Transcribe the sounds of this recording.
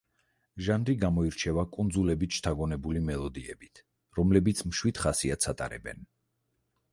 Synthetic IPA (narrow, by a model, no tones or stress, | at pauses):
ʒand̪ɾiɡamɔiɾt͡ʃʰɛvakʼund̪zulɛbit͡ʃʰt̪ʰaɡɔnɛbulimɛlˠɔd̪iɛbit̪ʰ | ɾɔmlɛbit̪sʰmʃwid̪̥χasiat̪sʰat̪ʼa̰ɾɛ̰bɛ̰n